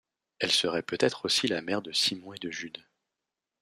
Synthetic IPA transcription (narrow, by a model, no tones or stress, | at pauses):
ɛlsəʁɛpøt̪ɛt̪χosilamɛʁd̪əsimɔ̃ed̪əʒyd̪